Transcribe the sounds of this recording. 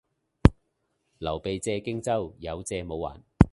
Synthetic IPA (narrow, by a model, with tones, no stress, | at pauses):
lɐ˨˩wpe˨˧jt͡sɛː˧kɪ˥ŋt͡sɐ˥wjɐ˨˧wt͡sɛː˧mo˨˧wːa̰ː˨˩n